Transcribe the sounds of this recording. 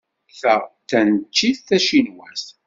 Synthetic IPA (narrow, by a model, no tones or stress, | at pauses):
θæθænt͡ʃːiθθæʃinwæs